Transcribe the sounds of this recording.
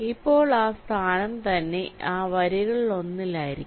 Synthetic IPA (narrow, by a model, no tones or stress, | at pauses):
ipːo̞ːɭaːst̪ʰaːnɐmt̪ɐnːe̞aːʋɐɾiɣɐɭo̞nːilaːjiɾikː